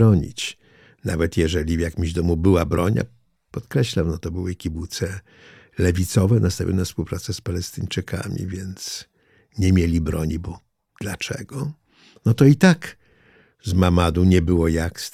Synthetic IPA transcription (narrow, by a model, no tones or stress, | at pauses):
ɔɲḭt͡ɕ | navɛt̪jɛʐɛlʲivjakʲimʑd̪ɔmubɘwabɾɔɲa̰ | pɔt̪kɾɛɕlamnɔt̪ɔbɘwɘkʲibut̪sɛ | lɛvʲit̪sɔvɛnast̪avʲjɔ̰nɛfspuwpɾat̪sɛspalɛst̪ɘɲt͡ʂɘkʰa̰mʲḭvʲjɛnt̪s | ɲɛmʲjelʲibɾɔɲibɔ | d̪̥lat͡ʂɛ̰ɡɔ | nɔt̪ɔit̪ak | zmamad̪uɲɛbɘwɔjaks